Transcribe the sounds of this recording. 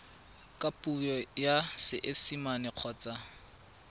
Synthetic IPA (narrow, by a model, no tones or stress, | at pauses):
kʼapʼujɔjasɪʔɪsimanɪq͡χʰɔːt͡sʼa